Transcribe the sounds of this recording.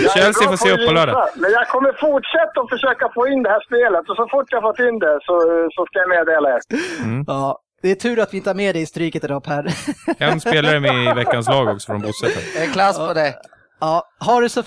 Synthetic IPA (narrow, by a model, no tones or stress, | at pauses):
ʃɛlsɪffɔseəpʰːɔlœːɖa̰amɛnjɑɡkʰɔmːəɾfʊʈʂɛt̪ːaɔfəʂøːkafoːɪnd̪ɛhæːʂpeːlət̪ɔsɔfʊʈːjahaɾfɔt̪ːɪnd̪ɛsɔsɔskajameːd̪eːlaɛ | ɑː | d̪̥ɛæʈʰʉ̟ːɾat̪vɪɪnt̪əhaɾmeːd̪ɛɪst̪ɾyːkət̪ɪd̪ɔphæɾkʰanseːlaɾəmɛvɛkːanslɑːɡɔksɔ̥fɾɔnbuːsɛt̪ːə̰ɛkʰlaspʰɔd̪ɛ | ɑːɦaɖɵsɔ